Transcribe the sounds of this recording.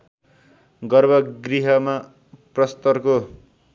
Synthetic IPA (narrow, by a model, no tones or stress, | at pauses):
ɡʌrbʱʌɡriɦʌma | prʌst̪ʌrko